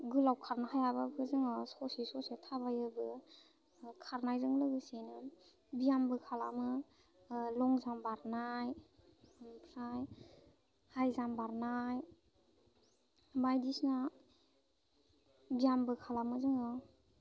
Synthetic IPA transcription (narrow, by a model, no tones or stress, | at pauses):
ɡɯlawkʰaɾnahajababɯzɯŋɔsɔsisɔsitʰabajɯbɯ | kʰaɾnajɾɯŋlɯɡɯsejnɯ | bijambɯkʰala̰mɯ | lɔŋzambaɾnaj | mpʰɾaj | hajzambaɾnaj | bajdisna | bijambɯkʰalamɯzɯŋɔ